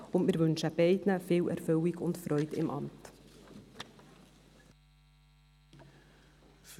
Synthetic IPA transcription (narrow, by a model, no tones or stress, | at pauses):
ʊnmɪːɾʋʏnʃəbɛɪdnəfeːlɛ̰ɾfœlɪɡʊntfɾœʏtɪ̰mʔɑ̰mt